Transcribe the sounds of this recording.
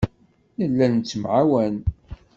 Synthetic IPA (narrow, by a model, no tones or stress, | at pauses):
nəlːænnt͡sːəmʕawæn